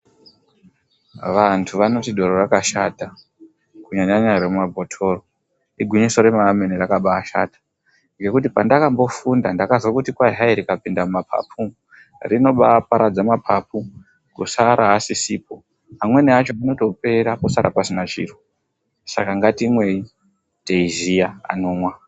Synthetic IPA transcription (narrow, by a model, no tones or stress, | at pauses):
ʋantʰuʋano̞tiɗʱo̞ɾorakaʃata | kuɲaɲaɲaɾeumabʱotʰo̞ro | iɡʱwiɲisoɾe̞maːmenirakaɓaːʃa̰tḁ | ŋɡe̞kut̬ipandakambo̞fundandakazwokutikwaɦaiɾikapindamumapʰa̰pu | rino̞ɓapaɾad͡zamapʰapu | kusaɾʔaːsisiːpo̞ | amwe̞niat͡ʃo̞ano̞to̞pe̞ɾaposaɾʔa̰pasinat͡ʃḭːru | sa̰kaŋɡatimwe̞i | teiziaa̰noːmwa